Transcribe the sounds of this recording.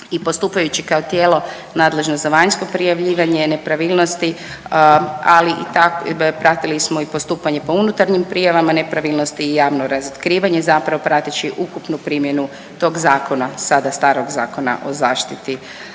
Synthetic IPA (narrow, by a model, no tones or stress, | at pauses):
ipo̞st̪uːpajut͡ɕikaot̪jeːlo̞ | naːd̪le̞ʒnozaʋaɲsko̞pɾijaʋʎiːʋaɲene̞pɾaʋilˠno̞st̪i | aliʔit̪akpɾat̪ilismo̞ipo̞st̪uːpaɲe̞po̞unut̪aɾɲimpɾijaʋamanepɾaʋilˠnost̪iːjaːʋnoɾazot̪kɾiːʋaɲe̞zapɾaʋo̞pɾat̪it͡ɕiʔukupnupɾimje̞nu | t̪o̞ɡzaːko̞nasad̪ast̪aːɾo̞ɡzaːko̞na̰ʔo̞zaːʃt̪it̪i